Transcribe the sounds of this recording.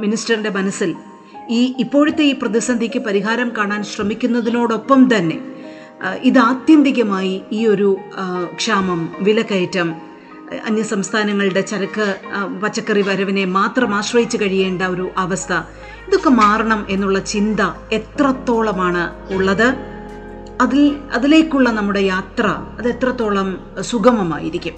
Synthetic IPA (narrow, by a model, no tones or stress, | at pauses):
minisʈɐrinde̞mɐnɐsːil | iːipːo̞ːɻut̪ːe̞iːprɐðisɐnd̪ʱikʲːɨpɐɾiɦaːɾɐmkaːɳaːnɕrɐmikʲːunːɐðino̞ːɽo̞pːɐmt̪ɐnːe̞̰ | iðɨaːt̪jɐnd̪iɣɐmaːjiiːo̞ɾukʂaːmɐmʋilɐkːɐjtːɐm | ɐ̰njɐsɐmst̪ʰaːnɐŋːɐɭɨɽe̞t͡ɕɐɾɐkːɨpɐt͡ɕːɐkːɐriʋɐɾɐʋɐne̞maːt̪rɐmaːɕrɐjit͡ɕːukɐɻije̞ːɳɖɐo̞ɾuʔɐʋɐst̪ʰɐ | iðo̞kːemaːrɐɳɐmʔe̞nːuɭːɐt͡ɕind̪ɐe̞t̪rɐt̪ːo̞ːɭɐmaːɳɨ | uɭːɐðɨ | ɐðilɐðile̞ːkʲːuɭːɐnɐmːuɽe̞jaːt̪rɐɐðe̞t̪rɐt̪ːo̞ːɭɐm | suɡɐmɐma̰ːjḭɾikʲːum